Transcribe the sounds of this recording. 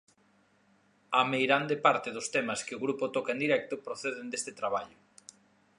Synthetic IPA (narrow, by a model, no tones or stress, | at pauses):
amejɾand̪epaɾt̪ɪðʊst̪emɐskɪoɣɾupot̪ɔkaẽnd̪iɾɛk̚t̪ʊpɾoθeðɪnd̪est̪ɪt̪ɾaβ̞aʎʊ